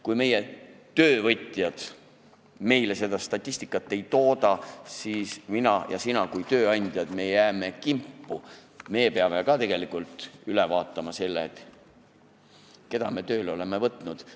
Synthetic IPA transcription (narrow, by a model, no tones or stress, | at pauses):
kujme̞je | t̪ø̞ːvɤt̪ʲːˑjɑd̪̥ | me̞jle̞se̞d̪̥ɑst̪ɑt̪ʲːˑisʲt̪ikːˑɑt̪ːˑe̞jt̪o̞ːd̪ɑsiːsminɑjɑ̰sinɑkujt̪ø̞ːɑnʲd̪̥ʲjɑd̪̥me̞jæːme̞kimpˑːume̞ːpeɑme̞kɑt̪e̞ɡ̥e̞likˑult̪ˑylevɑːt̪ːˑɑmɑse̞lːet̪ | ke̞d̪̥ɑme̞t̪ø̞ːlo̞le̞mevɤt̪ˑnud̪̥